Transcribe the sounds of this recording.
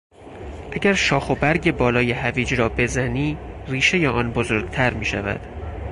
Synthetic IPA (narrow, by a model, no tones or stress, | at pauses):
ʔæɟæɾʃɒːxo̞bæɾɟe̞bɒːlɒːje̞hæviːd͡ʒɾɒːbe̞zæniːriːʃe̞jeʔɒːnbozoɾɡt̪ʰæɾmiːʃæ̰væ̰d̪̥